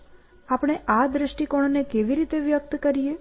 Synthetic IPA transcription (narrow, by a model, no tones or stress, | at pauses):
apɽ̃eʔad̪ɾəʃʈikoɽ̃onekeʋiɾit̪eʋjək̚t̪kəɾije